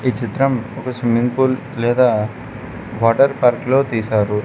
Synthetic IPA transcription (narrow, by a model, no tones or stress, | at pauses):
iːt͡ʃit̪ɾɐmɔkɐsimiŋɡpuːlːɛːd̪aː | ʋaːʈɐɾpaːɾklo̞ːt̪iːsaːɾu